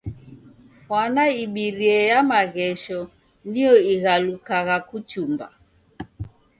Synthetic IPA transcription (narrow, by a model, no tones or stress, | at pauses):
hwanaiɓiɾiɛjamaɣɛʃɔ | niɔiɣalukaɣakut͡ʃumba̰